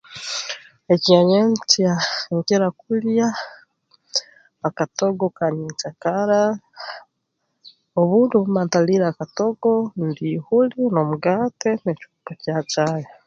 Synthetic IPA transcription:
eciaɲent͡sjaŋkeɾakulja | katoɡokaɲit͡ʃakaɾa | oβuːnduβumaːntaliɾaːkatoɡondihulinomuɡatenecu̥pocat͡ʃaːjo

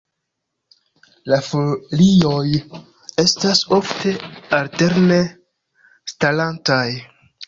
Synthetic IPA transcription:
lafolio̞j | e̞staso̞fte̞alte̞ɾne | stalantaj

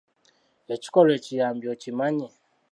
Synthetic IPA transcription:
ɛt͡ʃi̥kɔlwɛt͡ʃijambiɔt͡ʃimaɲɛ

